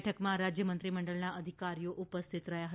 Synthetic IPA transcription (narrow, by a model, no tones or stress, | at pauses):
ʈʰəkmãɾad͡ʒjəmənt̪ɾiməɳɖəɭnaʔəd̪ʱikaɾijoʔupəst̪ʰit̪ɾəjaɦə